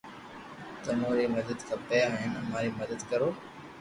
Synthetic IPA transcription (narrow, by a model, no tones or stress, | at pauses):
t̪ɐmoːɾiːməd̪əd̪kʰãːpɐjaɦɪnɐmaːɾiːməd̪əd̪kɐɾoː